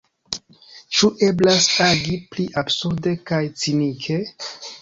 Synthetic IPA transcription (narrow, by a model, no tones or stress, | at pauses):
t͡ʃuʔe̞blasaɡipliʔabsuɾdekajt͡sinikʰe̞